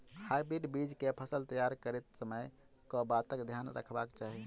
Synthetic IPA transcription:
hajbɾiɖbid͡ʒkepʰəsəlt̪əjaɾkəɾet̪̚səməj | kɔbat̪əkd̪ʱjanɾə̰kʰbakt͡ʃaɦi

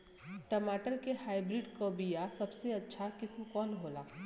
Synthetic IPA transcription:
ʈəmaːʈəlkehaːɪbɾiɖkobijasɐbseɐtːʃʰakɪsmkɔːnɦoːlaː

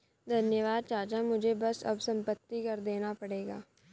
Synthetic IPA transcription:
d̪ʱɐnjəʋaːd̪̚t͡ʃaːt͡ʃamʊd͡ʒʱebɐsɐ̰bsɐ̃mpət̪ːikɐɾd̪eːnapɐɽeːɡaː

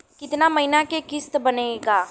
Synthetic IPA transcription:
kɪt̪namɐɦɪnakekɪst̪bɐneːɡaː

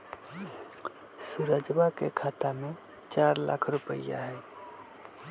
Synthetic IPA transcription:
suɾəd͡ʒbakḛkʰat̪ame | t͡ʃaɾla̰kʰɾupə̰ja̰ɦɛː

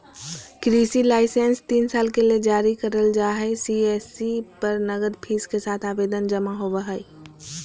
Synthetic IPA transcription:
kɾisilaːɪsẽnst̪iːnsaːlkeled͡ʒaɾikəɾəld͡ʒaɦɛsiesipəɾnəɡəd̪pʰiːskesaːt̪ʰaːbeːd̪ənd͡ʒəmaɦobəɦə

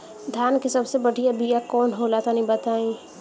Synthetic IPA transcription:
d̪ʱjaːnkisɐbsebəɽʱijabijakɔːnɦoːlat̪anɐɦĩbət̪aːĩː

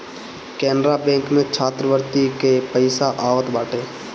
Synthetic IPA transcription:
kɛːnɾabɛ̃ːŋkmẽt͡ʃʰaːt̪ɾəʋəɾt̪ikepəɪsaʔaːʋət̪baːʈʰeː

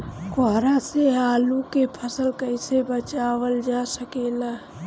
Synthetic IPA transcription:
koɦɾaseaːlukepʰəsəlkəɪsebət͡ʃaːwəld͡ʒaːsəkeːla

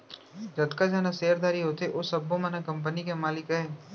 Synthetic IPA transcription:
d͡ʒɐd̪kad͡ʒaːnaseːɾd̪aːɾiɦoːt̪eʔosɐbːõmenakɐ̃mp̬ənikemaːlɪkɦɛː

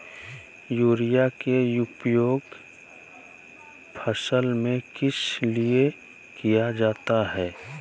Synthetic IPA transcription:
juːɾijakejʊpjoːɡ | pʰəsəlmẽkɪslie | kijad͡ʒaːt̪aɦɛː

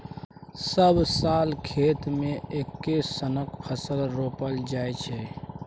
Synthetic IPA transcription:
səbsalkʰet̪mẽekːesənəkpʰəsəlɾopəld͡ʒajt͡ʃʰɛ

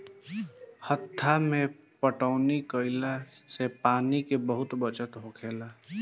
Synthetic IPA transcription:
hət̪ʰːamẽ | pəʈəːnikəɪlasepaːnikebəɦʊt̪bət͡ʃət̪ɦokʰeːlaː

